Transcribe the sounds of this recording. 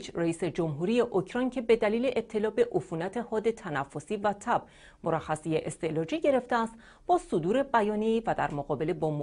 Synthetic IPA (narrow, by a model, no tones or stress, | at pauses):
t͡ʃreiːse̞d͡ʒo̞mɦuːɾiːje̞ʔocʰɾɒjncʰe̞be̞d̪æliːle̞ʔet̪ʰːe̞lɒːbe̞ʔofuːnæt̪ʰe̞hɒːd̪e̞t̪ʰænæfːo̞siːvæt̪ʰæb̥̚ | moɾæxæsijeʔest̪e̞lɒːd͡ʒiːɟe̞ɾe̞ft̪eæst̪ | b̥ɒːsod̪uːɾe̞bæjɒːnieiːvæd̪æ̰ɾmoɣɒːbe̞lebɒːm